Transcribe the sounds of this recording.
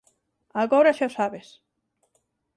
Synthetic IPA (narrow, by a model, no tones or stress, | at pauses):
aɣoɾaʃosaβes